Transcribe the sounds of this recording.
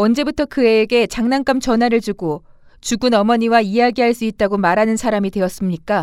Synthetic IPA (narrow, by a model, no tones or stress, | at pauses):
ʌnd͡ʑe̞butʰʌkɯe̞ːɡe̞t͡ɕaŋnaŋk͈amt͡ɕʌnɦaɾɯɭd͡ʑuɡo | t͡ɕuɡunʌmʌɲiwaijaɡiɦaɭs͈uit̚t͈aɡomaɾanɯnsʰaɾamidwe̞ʌs͈ɯmɲik͈a